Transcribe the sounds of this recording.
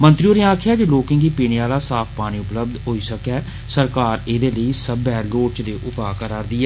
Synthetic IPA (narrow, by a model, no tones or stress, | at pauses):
mə̃nt̪ɾioːɾeːãːkʰjaːd͡ʒeːloːkɪ̃ŋɡiːpiːɳ̃eaːlaːsaːpʰpaːɽ̃iːʊpləb̚d̪ɦoːiːsəkɛː | səɾkaːɾeːd̪eːləiːsəbɛːloːɾt͡ʃd̪eːʔʊpaːkəɾaːɾd̪iːɛː